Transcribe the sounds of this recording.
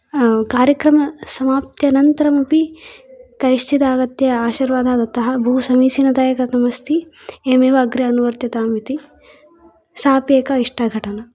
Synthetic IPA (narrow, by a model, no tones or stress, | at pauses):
kaːɾjɐkɾɐmɐsɐmaːp̚t̪jɐnɐnt̪ɐɾɐmɐpi | kɐjʃt͡ʃid̪aːɡɐt̪jɐaːʃiɾʋaːd̪ʱaːd̪ɐt̪ɐɦɐbʱɐɦusɐmiːsinɐd̪aːjɐkɐt̪ɐmɐst̪ʰi | eːmeːʋɐːɡɾɐɐnuʋɐɾt̪jɐt̪aːmʋit̪i | saːpjeːkɐiʂʈɐɡʱɐʈɐnɐ